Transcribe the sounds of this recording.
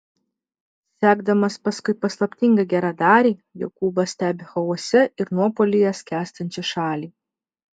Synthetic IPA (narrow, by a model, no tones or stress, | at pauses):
sʲæːɡd̪ɐmɐspɐskʊɪpɐslˠɐpʲt̪ʲɪŋɡɐɡʲæːɾɑːd̪ɑːɾʲiːjokuːbɐsʲt̪ʲæːbʲɪxɐuɔsʲɛʔɪɾnuɔpoːlʲijɛskʲæːst̪ɐnʲt͡ʃʲiʃɑːlʲiː